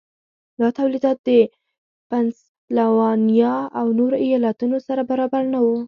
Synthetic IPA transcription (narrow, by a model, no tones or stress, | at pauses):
d̪ɑt̪awlid̪ɑt̪̚d̪ə | pans | lawɑnijɑawnoɾoijɑlat̪unosaɾabaɾɑbaɾnawu